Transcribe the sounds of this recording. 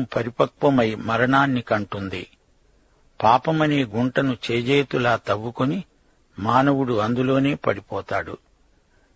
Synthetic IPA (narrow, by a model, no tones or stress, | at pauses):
mpɐɾipɐkʋɐmɐjmɐɾɐɳaːnːikɐɳʈund̪i | paːpɐmɐne̞ːɡuɳʈɐnut͡ʃeːd͡ʒeːt̪ulaːt̪ɐʋːukoni | maːnɐwuɽuɐnd̪ulo̞ːne̞ːpɐɽipɔːt̪aːɽṵ